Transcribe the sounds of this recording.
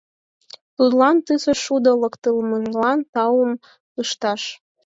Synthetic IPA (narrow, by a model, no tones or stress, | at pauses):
t̪ud̪lɑnt̪ɨsə̆ʃud̪ə̆lɤkt̪əlmɤʒlɑnt̪ɑum | ɯʃt̪ɑʃ